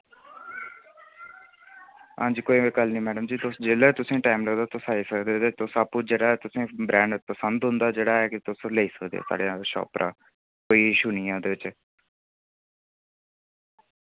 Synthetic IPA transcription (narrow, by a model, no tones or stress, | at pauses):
ɦãːd͡ʒiːkoːikəlnĩːmɛːɖəmd͡ʒiːt̪ʊsd͡ʒeːlet̪ʊsẽːʈaːɪmləɡd̪aːt̪ʊsaːisəkd̪eːt̪et̪ʊsaːpːuːd͡ʒeːɽaːɛːt̪ʊsẽːbɾɛ̃ːɳɖpəsənd̪ɦʊ̃nd̪aːd͡ʒeːɽaːɛːkɪt̪ʊsleiːsəkd̪ḛa̰ːsa̰ːɽeaːʃɔ̰ːpɾʔa̰ː | koːiːɪʃuːniːãːd̪eːʋɪt͡ʃ